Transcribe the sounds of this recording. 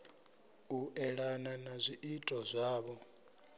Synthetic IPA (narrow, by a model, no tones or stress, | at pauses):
uʔɛɺananazʷiʔitʼɔzʷaːβɔ